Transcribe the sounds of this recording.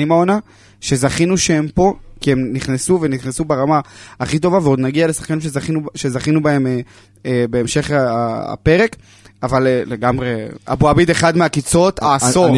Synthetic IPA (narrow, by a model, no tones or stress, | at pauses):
imaona | ʃe̞zaχinuʃehempo̞kiemniχnesuveniχnesubeʁamaːχit̪̬o̞vaveo̞d̪naɡialesḁχkanimʃ̬eiuʃe̞zaχinubae̞me | ebe̞ːmʃe̞χa̰pe̞ʁe̞k | avalle̞ɡamʁea̰buabid̪e̞χad̪meakit͡so̞t̪aːso